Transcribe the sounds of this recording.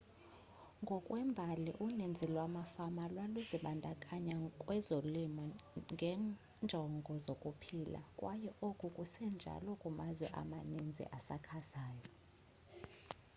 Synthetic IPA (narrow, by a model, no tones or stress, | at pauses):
ŋɡʱɔkʼwɛmbʱalḭʔunend͡zʱilwamafamalwaluziɓandʱakʼaɲakʼwɛzolimɔŋɡʱɛ | nd͡ʒʱɔŋɡʱɔzokʼupʰila̰kʼwʔajɛʔokʼukʼusɛnd͡ʒʱa̰lɔkʼumazwɛ̰ʔa̰manind͡zʱḭʔasakʰazaːjɔ